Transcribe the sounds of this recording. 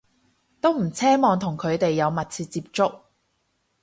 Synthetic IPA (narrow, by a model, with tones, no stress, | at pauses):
t̪o˥wm̩˨˩t͡sʰɛː˥mɔː˨˧ŋt̪ʰʊ˨˩ŋkʰɵ˨˧ɥt̪e˨jːɐ˨˧wmɐ˨t̚t͡sʰiː˧tt͡siː˧p̚t͡sʊ˥k̚